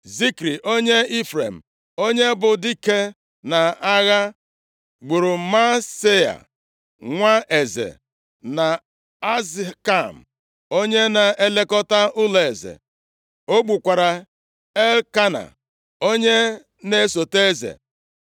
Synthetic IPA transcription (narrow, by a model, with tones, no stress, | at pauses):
zi˦kɾi˨ʔo˦ɲe˦i˦fɾḛ˨m̩˨ | o˦ɲe˦bʊ˨di˦ke˦ | na˨a˦ɣa˦ | ɡ͡bu˨ɾʊ˨ma˦se˦a̰˨ | ŋʷa˦ʔe˨zḛ˨ | na˨ | a˦zka˦˨m̩˨ | o˦ɲe˦na˨e˦le˦kɔ˦ta˦ʊ˦le˨zḛ˨ | o˦ɡ͡bu˨kʷa˨ɾa˨ | e˦lka˦na̰˨ | o˦ɲe˦ | ne˦so˨te˦zḛ˨